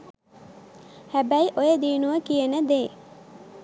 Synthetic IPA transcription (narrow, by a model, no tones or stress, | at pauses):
hæbæiʔojəd̪iːnuʋəkijənəd̪eː